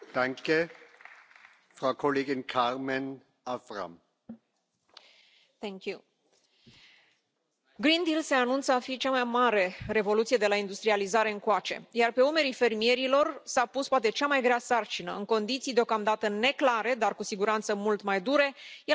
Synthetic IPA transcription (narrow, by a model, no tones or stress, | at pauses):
d̪̥aŋke | fʁaʊkʰoleːɡɪnkʰaʁmɛn | afʁa̰m | θɛŋkju | ɡɾind̪ilse̞anunt̪səafit͡ʃamajmaɾe̞re̞vo̞lut̪sije̞d̪elaind̪ust̪ɾializaɾe̞ɨŋkoat͡ʃe̞̰jarpe̞ume̞ɾife̞rmije̞ɾilo̞rsapuspoat̪e̞t͡ʃamajɡɾeasart͡ʃinə̰ɨŋko̞nd̪it̪sijd̪eo̞kamd̪at̪əne̞klaɾe̞d̪arkusiɡuɾant̪səmult̪majd̪uɾe̞je